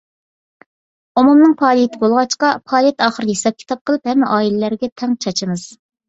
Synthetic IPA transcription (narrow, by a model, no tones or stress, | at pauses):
omumnɨŋpʰɑːlˠijet̪ʰɪbolˠʁɑt͡ʃqɑpʰɑːlˠijɛt̪ɑːχəɾd̪jesɑp̚kʲʰi̥t̪ʰɑp̚qʰəlˠɨphɛmːɛʔɑːilɪlæɾɡʲɛt̪ʰɛŋt͡ʃʰɑt͡ʃʰɨmɨz̥